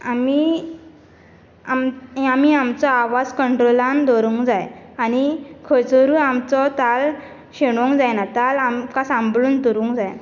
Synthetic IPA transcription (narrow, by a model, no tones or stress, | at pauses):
ami | amamiamt͡sɔaʋad͡zkəɳʈɾolãnd̪ɔɾũŋkd͡zajañikʰət͡səɾuːamt͡sɔt̪al | ɕeɽ̃õŋkd͡zajnat̪alamkasãmbluːnt̪əɾũŋkd͡zaj